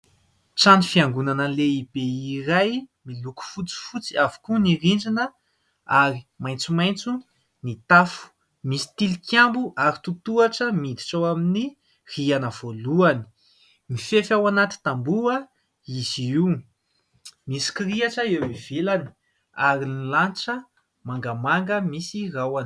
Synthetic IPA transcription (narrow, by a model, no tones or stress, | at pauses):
t͡sanifiaŋɡunanəleib̥eiɾajmiluku̥fut͡si̥fut͡siavu̥kunirind͡ʒinə | aɾimajnt͡sumajnt͡su | nit̪afu̥ | misi̥t̪ilikjambuʔaɾit̪ut̪uaʈ͡ʂəmid̪i̥ʈ͡ʂawamini | r̥ianəv̥oluani̥ | mifefawanat̪i̥t̪ambuə | izii | misi̥kiɾiaʈ͡ʂəewiv̥elani̥ | aɾinilanʈ͡ʂə | maŋɡamaŋɡəmisirawan